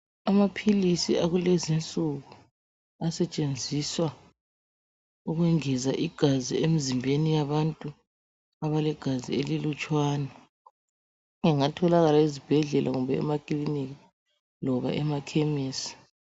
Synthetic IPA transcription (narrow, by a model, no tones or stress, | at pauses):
amapʰilisiaɣulezint͡sʼuɣu | asɛt͡ʃʼend͡zʱiswa | uɣwɛŋɛzaʔiɡ̥ʱazḭemizimbʱenijaβantʼu | aβalɛɡ̥ʱazḭelilut͡ʃʼwaːna | ŋɛŋatʰɔlaɣalaizib̥ʱɛɮɛlʔaɣumbɛɛ̰makʼliniɣi | lɔβa̰ʔɛmakʰemiːsi̥